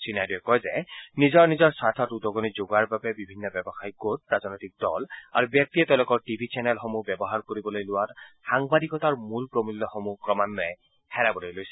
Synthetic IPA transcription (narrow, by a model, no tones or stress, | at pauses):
sinajduɛkɔjzɛnizɔɹnizɔɹsatʰɔtudɔɡonizoɡaɹbabɛbibʱinːɔbɛbɔxajɡot̚ɹaznɔjtik̚dɔla̰ɹubjɛk̚tiɛtɛʊ̃lokɔɹtibʱit͡ʃɛnɛlxomubjɛbɔɦaɹkoɹibɔlojlʊwatxaŋbadikɔtaɹmulpɹomilːɔxomukɹɔmanːɔɛ | hɛɹabɔlojlojsɛ̥